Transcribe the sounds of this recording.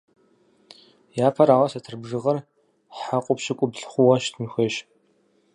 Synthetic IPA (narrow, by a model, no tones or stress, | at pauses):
jaːpʰɐɾaːwɐsɐtʰɨrbʐɨʁɐr | ħaqʷʼʊpʃɪkʷʼʊbɮχʷʊwɐʃtʰmɨxʷeːɕ